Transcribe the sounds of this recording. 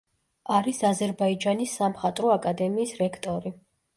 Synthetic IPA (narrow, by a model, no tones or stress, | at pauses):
aɾisazɛɾbaid͡ʒanisːamχat̪ʼɾɔakʼad̪ɛmiːsɾɛkʰt̪ʼɔɾi